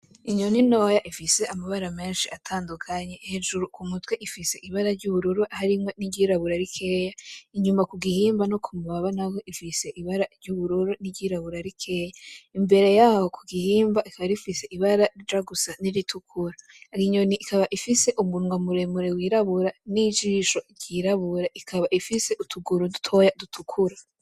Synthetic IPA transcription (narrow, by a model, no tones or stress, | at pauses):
iɲo̞nino̞jaʔifise̞amaβaɾame̞ːnʃiatʰaːndukʰaɲe̞heʒuɾukumutweʔifise̞ʔiβaɾaɾɟuβuɾuɾuʔahaɾimŋo̞niɟiɾaβuɾaɾikʰe̞ːjaiɲumakuɡihiːmbano̞kʰumuβaβanaweʔifise̞ʔiβaɾaɾɟuβuɾuɾuniɟiɾaβuɾaɾikʰe̞ːjaimbe̞ɾe̞jaːho̞kʰuɡihiːmbaʔikʰaβaɾifise̞ʔiβaɾaɾid͡ʒaɡusaniɾitʰukʰuɾa | ɾiɲoniʔːkaβaʔifise̞ʔumunŋwamuɾe̞muɾewiːɾaβuɾanid͡ʒiːʃo̞ɾɟ̥iːɾaβuɾaʔikʰaβaʔifise̞ʔutʰuɡuɾudutʰo̞jadutʰukʰuɾa